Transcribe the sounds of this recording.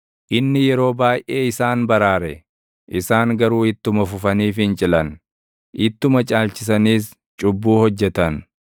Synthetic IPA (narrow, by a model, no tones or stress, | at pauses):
ʔɪnːɪjɛɾo̞ːbaːjʔʔeːɪsaːnbɐɾaːɾɛ̰ | ʔɪsaːŋɡɐɾuːɪt̪ːʊmɐfʊfɐniːfɪnt͡ʃʼɪlɐn | ʔɪt̪ːʊmɐt͡ʃʼaːlt͡ʃɪs̬ɐniːs | t͡ʃʼʊbːuːhɔd͡ʒːɛt̪ɐn